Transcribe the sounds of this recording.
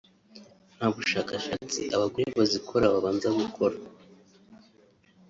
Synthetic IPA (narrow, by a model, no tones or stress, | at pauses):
n̥haːβuʃaːkaʃat͡sḭʔaβaɡwiβazikʰoɾaβaβaːnzaɡukʰo̞ɾa